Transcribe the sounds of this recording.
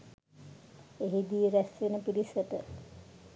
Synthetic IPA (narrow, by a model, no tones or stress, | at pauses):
eɦid̪ijəɾæsʋenəpiɾisəʈə